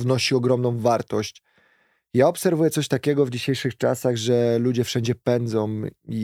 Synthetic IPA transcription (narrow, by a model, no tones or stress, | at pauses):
vnɔɕiɔɡɾɔmnɔ̃w̃vaɾt̪ɔɕt͡ɕ | jaɔpsɛɾvujɛt̪sɔɕt̪akʲɛɡɔvd͡ʑiɕejʂɘxt͡ʂa̰saɣʐɛlud͡ʑɛfʂɛɲd͡ʑɛpɛnd̪zɔ̃w̃i